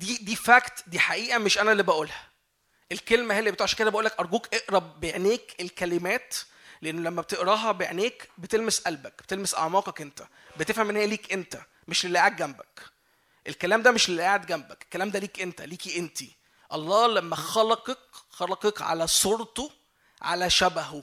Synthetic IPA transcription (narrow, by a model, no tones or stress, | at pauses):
d̪iːd̪iːfækt̪d̪iːħaʔiːʔæmeʃʔænælːibæʔuːlhæ | ʔelkelmæhelːibet̪uːʕʃæked̪æbæʔuːlːækʔɑɾˤɡuːkʔeʔɾɑbeʕneːkelkælemæːt̪ | leʔenːolæmːæbet̪eʔɾˤɑːɦæbeʕneːkbet̪elmesʔælbæk̚b̥et̪elmesʔɑ̰ʕmɑːqɑkʔent̪æ̥ | bet̪efhæmʔenːhejæliːkʔent̪æ | meʃlelːæːʕed̪̚ɡæmbæk | ʔelkælæːmd̪æmeʃlelːaʕed̪̚ɡæmbæke̥kːælæːmd̪æliːkʔent̪æliːkiʔent̪i | ʔɑlˤːɑːlæmːæxɑlɑqekxɑlɑqekʕa̰læsoɾt̪o | ʕa̰læʃæbæho